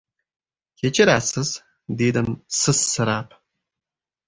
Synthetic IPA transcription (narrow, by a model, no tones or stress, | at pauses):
jɛt͡ʃʼɐɾaːsɨz | deːdɐmsɨsːɨɾaːp̚ʰʼ